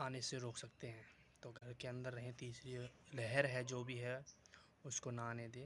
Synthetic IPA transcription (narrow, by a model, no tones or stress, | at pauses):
aːneseɾoːksɐk̚t̪eɦɛ̃ː | t̪oːɡʱɐɾkeɐ̃nd̪əɾːɐɦẽt̪iːsɾelɛɦɛɾɦɛd͡ʒoːbʱiɦɛ | ʊskonaaːned̪eː